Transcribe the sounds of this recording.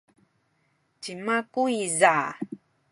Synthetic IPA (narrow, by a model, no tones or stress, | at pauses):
cimakuiza